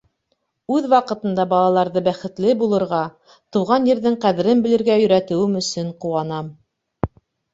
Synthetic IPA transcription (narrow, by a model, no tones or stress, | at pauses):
ʉðwɑqɤ̆t̪ɤ̆nd̪ɑbɑlˠɑlˠɑɾðɤbæχɘ̆t̪lɘbulˠɤ̆ɾʁɑ | t̪ɤ̆wʁɑnjɘ̆ɾðɘɴqæðɘ̆ɾɘnbɘ̆lɘ̆ɾɡæjɵ̆ɾæt̪ɘ̆wɘmɵ̆sɵɴquwɑnɑm